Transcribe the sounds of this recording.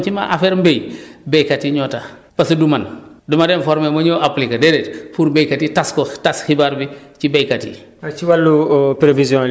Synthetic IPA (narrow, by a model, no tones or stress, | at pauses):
t͡ʃima̰ʔa̰fɛɾmbejbejkatiɲɔːta | pɐsɐduman | dumadɛnfɔɾmemɐɲoʔaplikɐdɛdɛtpuɾbejkatitaskotasxibaɾbit͡ʃibejkatḭ | at͡ʃiwalːupɾevizjɔ̃